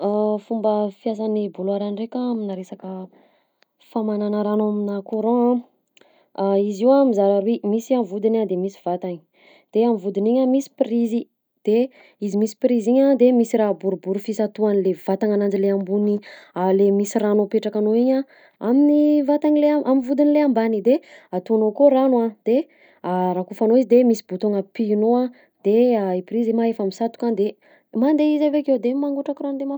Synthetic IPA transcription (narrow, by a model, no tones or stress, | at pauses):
afumbəfias̬anibuluaɾanrekʲaːminaɾesakə | famananaɾanoaminakoɾõa | iziwamizaɾaɾwemisiamvud̪inad̪emisi̥vat̪aɲi̥ | d̪̥eamvud̪iniɲamisi̥prizi | d̪̥e | izimisi̥pɾiziɲad̪emisiɾaɦbuɾubuɾufisat̪uanilev̥at̪aŋanand͡ʒileambunialemisiranopeʈ͡ʂakanoiɲa | aminivat̪anileʔaminvud̪inileambanid̪eat̪uanokoranwad̪̥e | aɾakufanoizid̪emisi̥but̪oŋəpinoa | d̪eaipɾizimaefamisat̪ukad̪e | mand̪eizavekewd̪emaŋɡuʈ͡ʂakiranud̪ema